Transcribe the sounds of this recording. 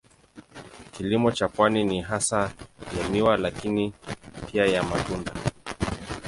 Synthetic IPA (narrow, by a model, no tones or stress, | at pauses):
kilimɔt͡ʃapwaniniɦasajamiwalakinipʰiajamatunda